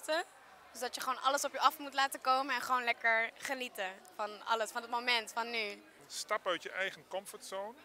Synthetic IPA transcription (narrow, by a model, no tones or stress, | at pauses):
tə | d̥øsdɑtjəχəʋownʔɑləsɔpjəɑfmutlaːtəkowməɛnχəʋownlɛkəɹχənitəfɑnɑ̰ləsfɑndətmowmɛntfɑnːy | stɑpœɥtjəʔɛjχənkɔmfəɹtsown